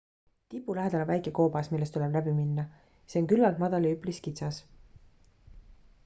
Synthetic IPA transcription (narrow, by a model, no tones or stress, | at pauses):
t̪ipːˑulæɦed̪ɑlɑvæjkˑeko̞ːbɑsmilːe̞st̪uleb̥læbiminːɑ | seoŋkylvɑlt̪mɑd̪̥ɑliypˑliskit̪sɑs